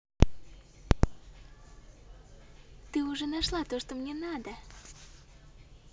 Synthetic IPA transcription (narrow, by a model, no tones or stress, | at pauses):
t̪ɨuʒenɑʃlɑt̪oʃt̪omnʲenad̪ə